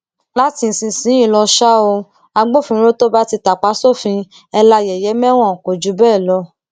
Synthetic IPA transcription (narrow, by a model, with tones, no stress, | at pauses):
la˦ti˧n̩˨sĩ˧˨sĩ˨˦ĩ˦˨lɔ˧ʃa˦o˧ | a˧ɡ͡bo˦fĩ˧ɾo˦to˦ba˦ti˧ta˨k͡pa˨˦so˦˨fĩ˧ | ɛ˧la˧jɛ˨jɛ˨˦mɛ˦w̃ɔ̃˦˨ko˨d͡ʒu˨˦bɛː˦˨lɔ˧˦